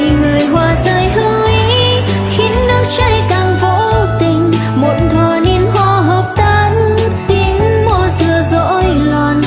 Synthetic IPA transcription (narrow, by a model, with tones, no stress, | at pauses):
i˧˨ŋɨ˨˩əjɦwaː˨˩zəː˧˩jɦɨ˧ | i˧˦ | xi˨˦nːɨ˦˥ək̚t͡ɕa˧jkaː˨˩ŋvo̰˧˨˥t̪ï˨˩ŋ̟ | mo˧˨˩nt̪ʰwaː˨˩ni˧nɦwaː˧ɦəː˨˩p̚t̪ʰə˧n | t̪i˨˧˦ən | mɔ˧˩zɨ˨˧˩əzo̰˧˥j | lwaː˨˩n